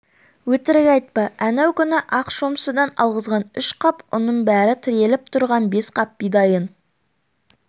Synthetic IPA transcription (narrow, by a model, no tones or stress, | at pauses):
wɵt̪ɪɾɡʲɑjt̪̚pɑʔænæwkʲʰʏnɪʔɑqʃo̞msəd̪ɑnɑ̰lˠʁəzʁɑnʏʃqʰɑpʊnːəɴbæɾɪt̪ʰɪɾe̞lɪp̚t̪ʰʊɾʁɑnbe̞sqʰɑp̚ːijd̪ɑjən